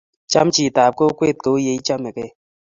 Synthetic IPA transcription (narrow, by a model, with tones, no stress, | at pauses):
t͡ʃa˦m˦t͡ʃi˨taː˨p̚ko˦u˦kwe˦˨t̚ke˨u˦je˨i˦t͡ʃa˦mɛ˨kɛ˦˨